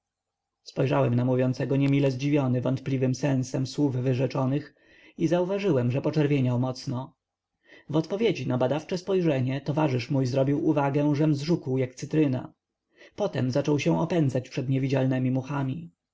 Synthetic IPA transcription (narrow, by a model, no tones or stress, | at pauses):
spɔjʐawɛmnamuvʲjɔnsɛɡɔɲɛmʲilɛzd͡ʑivʲjɔnɘvɔnt̪̚plʲivɘmsɛ̃w̃sɛmswuvvɘʐɛt͡ʂɔnɘx | izauvaʐɘwɛmʐɛpɔt͡ʂɛɾvʲjeɲawmɔt̪snɔ | vɔt̪pɔvʲjed͡ʑinabad̪aft͡ʂɛspɔjʐɛɲɛt̪ɔvaʐɘʂmujzɾɔbʲiwuvaɡɛ̃ʐɛmzʐukwjak̚t̪sɘt̪ɾɘna̰ | pɔt̪ɛmzat͡ʂɔwɕɛ̃w̃ɔpɛnd̪zat͡ɕpʂɛd̪ɲɛvʲid͡ʑalnɛmʲimuxamʲi